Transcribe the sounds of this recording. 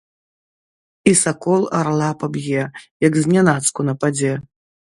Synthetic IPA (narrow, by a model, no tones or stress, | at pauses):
isakɔlˠa̰ɾlˠapabjɛjɐɡzʲnʲanat̪skunɐpad͡zʲɛ